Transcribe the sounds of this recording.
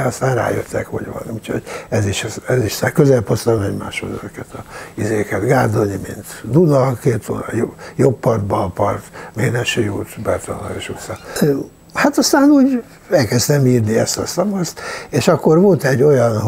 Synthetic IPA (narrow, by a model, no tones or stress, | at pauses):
ɒst̪aːnra̰ːjø̰t̪ːɛ̰kho̰ɟʋɒ̰nuːcʰhoɟɛziʃɛziʃsakøzɛlpost̪ɒmɛɟma̰ːʃho̰d̪ɛzøkɛt̪ɒizeːkɛt̪ɡaːrd̪onimḭnt̪d̪unɒkeːt̪onɒ̰jojo̞bpɒrd̪bɒpɒrt̪meːnɛʃijuːt̪bɛt̪onɒ̰eʃut̪sɒ | hat̪ɒst̪aːnuːɟ | ɛlkɛst̪ɛmiːrniɛst̪ɒsɒmɒst̪eːʃɒkːo̞rʋo̞lt̪ɛɟːo̞jɒn